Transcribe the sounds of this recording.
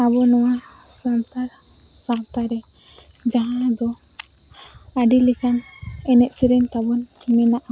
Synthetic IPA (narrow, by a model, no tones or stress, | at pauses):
abɔnɔwa | sant̪aɾ | sawt̪aɾɛ | d͡ʒaɦãd̪ɔ | aɖilikan | ɛnɛʔ̪siɾɛnt̪abɔn | mɛnaʔa